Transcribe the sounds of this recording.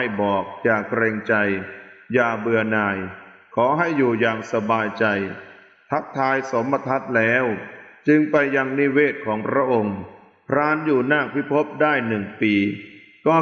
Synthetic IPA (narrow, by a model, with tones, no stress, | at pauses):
jbɔː˨˩k̚jaː˨˩kɾɛː˧ŋt͡ɕa˧jjaː˨˩bɯ˧ɐnaː˧j | kʰɔː˩˦ɦa˥˩jːuː˨˩jaː˨˧ŋsa˧baː˧jt͡ɕa˧j | t̪ʰa˦˥k̚t̪ʰaː˧jso˩˦mːa˧t̪ʰa˦˥t̪̚lɛː˦˥wt͡ɕɯ˧ŋpa˧jːa˧ŋni˦˥weː˥˩t̪̚kʰɔː˩˦ŋpʰɾa˦˥ʔo˧ŋ | pʰɾaː˧njuː˨˩naː˥˩pʰi˦˥˩pʰo˦˥p̚daː˥˩jnɯ˨˩ŋpiː˧ | kɔː˥˩